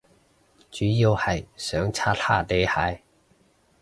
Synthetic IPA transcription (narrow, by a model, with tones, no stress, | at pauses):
t͡ʃyː˨˥ji˧whɐ˨˩jsœː˨˥ŋt͡sʰaː˥t̪ʰaː˥˩t̪e˥jha̰ː˧˥j